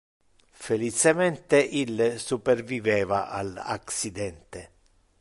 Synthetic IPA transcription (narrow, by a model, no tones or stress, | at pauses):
felit͡ʃemɛnt̪eʔilːsupɛrvivɛːvaʔa̰la̰ksid̪ɛnt̪e